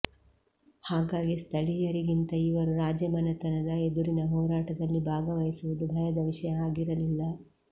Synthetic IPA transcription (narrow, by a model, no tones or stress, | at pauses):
haːɡaːɡist̪ʰɐɭijɐɾiɡint̪ɐiʋɐɾuɾaːd͡ʒjɐmɐnɐt̪ɐnɐd̪ɐed̪uɾinɐɦɔːɾaːʈɐd̪ɐlːibʱaːɡɐʋɐjisuʋud̪ubʱɐjɐd̪ɐʋiʃɐjɐaːɡiɾɐlilːɐ